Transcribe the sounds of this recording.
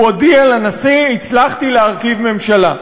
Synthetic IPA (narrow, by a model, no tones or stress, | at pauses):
odialanasiit͡slaχt̪ileaʁkivme̞mʃala